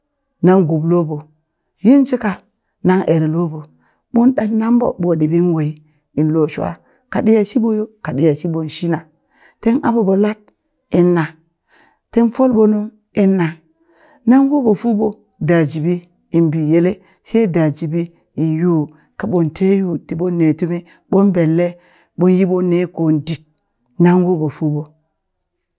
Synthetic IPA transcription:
na˦ŋɡu˨blo˦bo˨ | ji˦nsi˦ka˨ | na˦ŋʔe˨ɾe˨lo˦bo˨ | ɓo˦nɗa˦bna˦mbo̰˨bo˨di˨bi˦nwo˨i˦ | i˨nlo˨ʃu˦a̰˦ | ka˨ɗi˦ja˨ʃi˦bo˦jo˦ka˨di˦ja˨si˦bo˨n˨ʃi˦na˨ | te˦nʔa̰˦bo˨bo˨la˦t̚ | i˦nːa˨ | te˦nfo˦lbo˦nu˦m | i˦nːa˨ | na˦ŋɡo˦bo˨fu˦bo˨ | da˨d͡ʒi˨bi˦ | i˨nbi˨je˦le˦ | se˦da˨d͡ʒi˨bi˦ | i˨nju˦ | ka˨ɓo˨nte˦ju˦ti˨ɓo˦nːe˨tu˦mi˦ | ɓo˦nbe˨lːe˦ | ɓo˦nji˦ɓo˦ne˦ko˨ndi˨t̚ | na˦ŋɡo˦bo˨fu˦bo˨

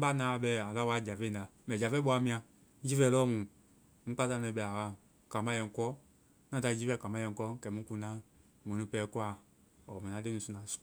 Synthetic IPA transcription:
ba˦nãː˨˦˨ɓɛ˧˨a˨la˦wa˦˨d͡ʒa˨fe˦˨na˨ | mɛ̃˨d͡ʒa˨fe˦ɓɔ˧˦a˧˦mĩ˧˦ã˧˦ | d͡ʒi˦fɛ˦˨lɔ˦mũ˨ | ŋ̩̃˦k͡pa˦ta˧˦nɛ̃˧˨˦ɓɛ˧˨a˨wa˦˨ | kã˨mã˦jɛ̃˨ŋ˨kɔ˦ | nã˦ta˧˨˦d͡ʒi˦fɛ˧˨kã˨mã˦jɛ̃˧˨kɔ˦kɛ˨mũ˦ku˧˨˦nã˦˨ | mõ˨nũ˦pɛː˨˦ku˦a˨ | ɔ˨mɛ̃˨ã˨˦le˦nũ˨su˧nã˨˦su̥˨

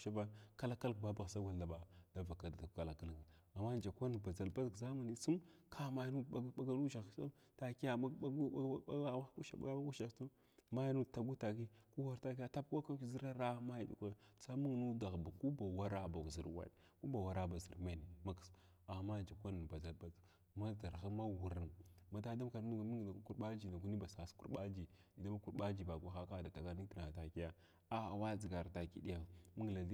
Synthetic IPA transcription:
ʃa˦ba˦ka˦la˦ka˦lkba˦ba˨ɣsa˦ɡʷa˨a˨ba˨d̥a˦va˨ka˨da˨ka˨la˨ka˦lki˨ | a˨mːa˦nd͡ʒa˨kʷa˦n˨ba˨za˨lba˦dkza˦mu˨ni˦su˦mkʰa˦ma˦jnu˦a˦ɡa˦lu˦ʃa˨a̰˦ | ta˨ki˦a˦˨˦u˦ʃa˨a̰˨˦ɡba˦ɡu˦ʃa˨˦tu˦ | ma˦jnu˦˨ta˨ɡu˦ta˨ki˦ku˦wa˦ɾta˦ki˦ja˦ta˦p̚kʷa˦ka˦i˨zi˦ɾa˦ɾa˦ma˦ji˨dḭ˨kʷa˦t͡sa˦mu˦ŋ˨nu˦da˨ɣba˨ku˦ba˨wa˦ɾa˦ba˨u˨zi˨ɾwa̰˨ɗ | ku˦ba˨wa˦ɾa˦ba˨zḭ˨ɾme˦ni˨ma˦ks | a˨ma˦d͡ʒa˨kʷa˦n˨ba˨za˨˦ba˦t | ma˦da˨ɾɣa˦ma˦wu˨ɾi˨nma˨ta˦da˦m˦ka˨ɾu˦ɡmi˦ŋɡna˨ku˦ku˦ɾɓa˦d͡ʒi˨na˨ku˦ni˦ba˨sa˨skṵ˦ɾɓa˦d͡ʒi˨ | i˨da˦ma˦ku˦ɾa˦d͡ʒi˨ba˨ɡʷa˦xa˦ka˦˨da˨ta˨ɡa˦ni˦ti˨na˨ta˨ki˦ja˦ | a˦a˨wa˦d͡zi˨ɡa˨ɾta˨kḭ˦di˦ja˨mu˦ŋ˨la˨di˦

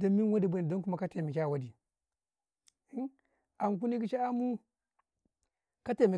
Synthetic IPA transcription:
da˨mi˦n˦wa˦di˦˨ba˦ni˨do˦nku˦ma˦ka˦te˨mi˨kʲa˦˨wa˦di˨˦ | a˨m˨k̬u˦ni˦ki˦ʃa˦a˦mu˦ | ka˦te˨mi˨

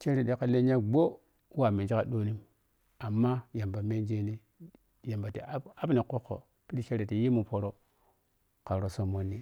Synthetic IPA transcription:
t͡ʃe˦ɾi˨ɗe˦ka˦le˦ɲa˦ɡ͡bo˦ | wa˨mi˨nd͡ʒi˦ka˨ɗo˦ni˦m | a˨mːa˦ja˨mba˨me˦nd͡ʒe˦ni˦ | ja˨mba˨ti˨˦a˦bni˨ku˦kːo̰˨ | pi˦ɾi˦t͡ʃe˦ɾi˨ti˨ji˦mu˨po˨ɾo˦ | ka˨ɾo˨so˨mo˦nːi˦

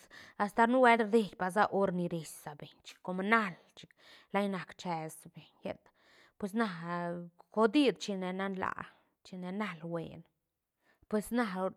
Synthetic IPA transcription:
a˧st̪a˨˧ɾnu˦we˦lɾd̪e˧jpa˨z̬a˦ʔo˦ɾni˧ɾe˨ssa˨be˨ɲt͡ʃi̥˧kːo˧m˧na˦l | t͡ʃi̥˧k | la˦jna˨kt͡ʃɛ˧sbe˨ɲjḛ˦t̪ | pwe˧s̬na˧ | ko˧d̪i˦d̪t͡ʃi˧ne˧na˦nla̰˨ | t͡ʃi˧ne˧na˦lwḛ˨n | pwe˧sna˧

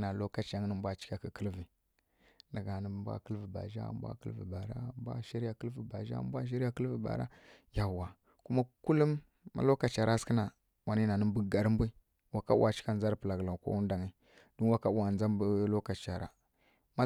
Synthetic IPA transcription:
na˨lo˦ka˨t͡ʃa˨ŋ˦nə˦m˦bʷa˦t͡ʃi̥˦ka˨ki˨kə˦lvi˨ | nda˨ɡa˨nə˦bʷa̰˦kə˦lvi˨ba̰˨ʒa̰˦mbʷa̰˦kə̰˦lvḭ˨ba˨ɾa̰˦˨mbʷa̰˦ʃi˦ɾja˨kə˦lvi˨ba˨ʒa̰˦mbʷa˦ʃ̬i˦ɾa˦kə˦lvi˨ba̰˨ɾa̰˦ | ja˨wa˨ | ku˦ma˦ku˦lu˦mː | a̰˨lo˦ka˨t͡ʃa˨ɾʔa˦skə˦na˨ | wa˨ni˦na˨nə˦mbu˦˨ɡa˨ɾm˦bʷi˦ | wa˨ka˦a˨t͡ʃi̥˦ka˦˨n˨a˦ɾpə˨la˨ɡla˨kʷo̰˦wu˦n˦da˨ŋi˦ | du˦nwa˨ka˦wa˨nd͡za˦mbə˦lo˦ka˨t͡ʃa˨ɾa̰˨ | ma˦

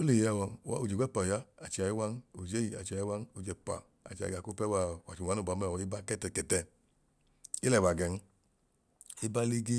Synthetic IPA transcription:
o˦le˨ja˧˨wɔ˨wa̰˦u˨d͡ʒe˨ɡʷɛ˦˨pa˨ja˦a˨t͡ʃi˨a˨ji˦wa˦n˦u˨d͡ʒe˦ji˨a˨t͡ʃa˨ji˦wa˦n˦u˨d͡ʒɛ˨pa̰˨ | a̰˨t͡ʃa̰˨a˨ku˦pɛ˦wa˧˨wa˨t͡ʃi˨a˨˦n˦u˦˨ba˨˦m˦˨ɔ˨i˦ba˦kɛ˦tɛ˧˨kɛ˨tɛ˧˨ | i˦lɛ˦˨wa˨ɡɛ˨n̩˦ | i˦ba˦li˦ɡi˦

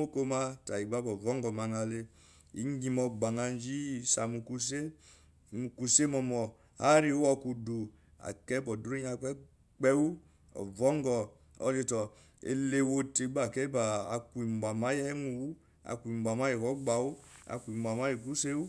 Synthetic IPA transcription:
o˦ko˦ma˦ta˨i˨ɡ͡ba˦bɔ˨vɔ˦ŋɡɔ˨ma˨ŋa˨le˦ | ḭ˨˦ŋ˦ɡi˧mɔ˧ɡ͡ba˨ŋa˧n˦d͡ʒi˦sa˨mu˨ku˧s̬e˦˨ | mu˨ku˨se˦mɔ˧mɔ˨ | ha˦ɾi˦ɔ˧ku˧du˨ | a̰˨kɛ˦bɔ˨du˦ɾe˦ɲ˦a˨k͡pɛ˦ | k͡pɛ˦wu˦ | ɔ̰˨vɔ˦ŋɡɔ˨ | ɔ̰˨˦d͡ʒe˧tɔ˨ | ḛ˨le˦wo˧te˨˦ɡ͡ba˦˨kɛ˦baː˨ku˨i˨m˨ba˨ma˨˦jɛ˦mu˧wu˦ | a̰˨ku˨i˨m˨bʷa˨ma˦je˨kɔ˦ɡ͡ba˨wu˦a̰˨ku˨i˨m˨bʷa˨ma˦ji˨ku˦se˦wu˦

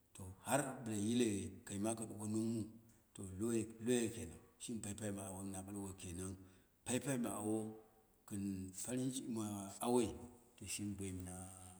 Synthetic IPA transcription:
to˨ha˦ɾbɨ˨ɾa˨ji˦le˨ka˨i˨ma˦ka˨ɗo˨ko˦nu˦mu˦ | to˨lo˦lo˦je˦˨ke˨na˨ŋʃi˦n˦pa˦i˦pa˦i˦ma˨a˨wo˦na˨ɓa˦lwo˨ke˨na˦ | pa˦i˦pa˦i˦ma˨a˨wo˦ | kɨ˨nfa˦ɾi˦n˦t͡ʃi˦ma˨a˦we˦i˨to˨ʃi˦nbʷa˨i˨m˨na˦

